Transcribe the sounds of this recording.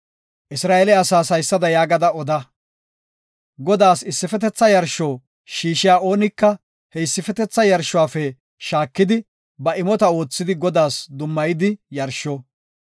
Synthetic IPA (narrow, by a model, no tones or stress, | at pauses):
ʔɪsɾaːelɛɐsaːsɐjsːɐd̪ɐjaːɡɐd̪ɐɔd̪ɐ | ɡɔd̪aːsɪsːɪfɛt̪ɛt͡sːɐjɐɾʃoː | ʃiːʃɪjaːʔo̞ːnɪkːɐ | hɛɪsːɪfɛt̪ɛt͡sːɐjɐɾʃːʊwaːfɛ | ʃaːkːɪd̪ɪ | bɐʔɪmɔt̪ɐo̞ːt͡sːɪd̪ɪɡɔd̪aːsd̪ʊmːɐjɪd̪ɪjɐɾʃɔ